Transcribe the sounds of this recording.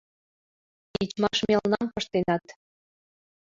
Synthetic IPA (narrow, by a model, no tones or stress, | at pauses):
it͡ɕmɑʃmelnɑmpə̆ʃt̪enɑt̪